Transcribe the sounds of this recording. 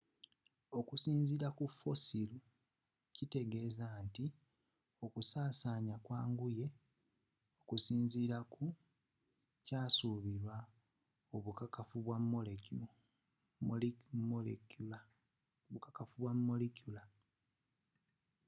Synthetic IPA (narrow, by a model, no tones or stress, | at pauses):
o̞kusiːnziːɾakufo̞silu | cite̞ɡe̞ːzaːnti | o̞kusaːsaːɲakwaːŋɡuje̞ | o̞kusiːnziːɾaku | caːsuːβiɾwa | oβukakafuβwamːoleu | molekul | βukakafuβwamːolekjula